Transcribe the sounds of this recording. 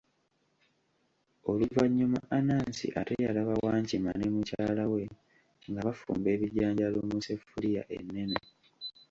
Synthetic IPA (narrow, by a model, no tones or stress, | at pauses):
o̞luvaɲːumaʔanaːnsḭʔatejalaβawaːɲcima̰nemucaːlawe̞ | ŋɡaβafṵːmbe̞ːβiɟaːɲɟalomusefulija̰ʔe̞̰nːe̞ne